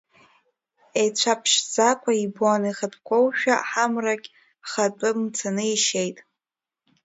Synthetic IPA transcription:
et͡ɕʷʰapʰʃd͡zakʷʰaiboanɨχatʰkʷʰowʃᶣaħamrakʲʼ | χatʼɨmt͡sʰanɨiʃejtʼ

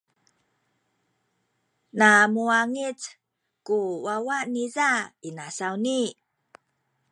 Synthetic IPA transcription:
namuaŋit͡s | kuwawanizainasawni

